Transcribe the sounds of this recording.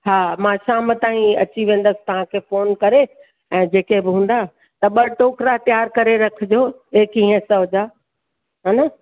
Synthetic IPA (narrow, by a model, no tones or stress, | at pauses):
ɦaːmãːʃaːmət̪ãːĩɐ̰t͡ɕiʋẽːn̆d̪əsɪ̥t̪ɐʋ̤ãkʰeːfoːnkɐɾe | ɛ̃ːd͡ʑeːkebɪɦũːn̆d̪a | t̪ɐɓɐʈoːkɾat̪jaːɾkɐɾeɾɐkʰɪd͡ʑoːeːkĩɦə̃sɐɦʊd͡ʑaː | ɦaːna